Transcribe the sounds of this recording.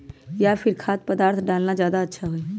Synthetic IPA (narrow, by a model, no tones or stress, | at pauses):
jaːpʰɪɾkʰaːt̪̚pəd̪aːɾt̪ʰɖaːlnad͡ʒjaːd̪aɐtːʃʰaɦoeː